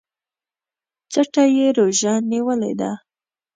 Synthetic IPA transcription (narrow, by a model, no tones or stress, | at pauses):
t͡saʈajeɾoʒanːiwəlḛd̪a̰